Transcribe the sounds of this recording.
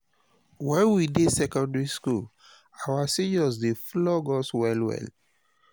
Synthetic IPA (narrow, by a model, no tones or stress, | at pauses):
wɛ̃nwidesɛkɔ̃ndɹiskul | awasid͡ʒɔsdeflɔɡɔswɛlwɛ̰l